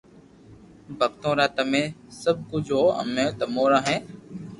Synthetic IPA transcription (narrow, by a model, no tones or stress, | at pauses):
bʱək̚t̪õːɾaːt̪əmẽːsəb̚ʱkʊd͡ʒʱɦoːə̰mẽːt̪əmoːɾãːɦɛ̃ː